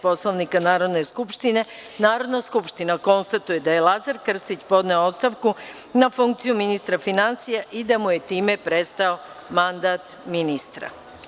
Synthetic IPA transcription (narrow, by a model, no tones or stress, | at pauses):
po̞slˠoʋnikanaːɾo̞d̪ne̞skupʃt̪ine̞ | naːɾo̞d̪naskupʃt̪inako̞nst̪at̪uje̞d̪aje̞lˠazaɾkr̩st̪it͡ɕpo̞d̪ne̞oot̪st̪aʋku | nafuŋkt̪sijuminist̪ɾafinansijaʔid̪amuje̞t̪iːme̞pɾe̞st̪ao̞ | mand̪aːt̪ | minist̪ɾa̰